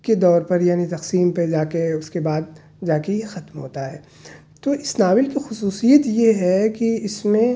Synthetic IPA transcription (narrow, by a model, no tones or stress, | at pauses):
ked̪ɔːɾpɐɾjaːnit̪ɐqsiːmped͡ʒaːkeʊskebaːd̪̚ | d͡ʒaːkejexɐt̪mɦo̰ːt̪aɦɛː | t̪oʔɪsnaːʋɪlkixʊsuːsijət̪jeɦɛkiɪsmẽ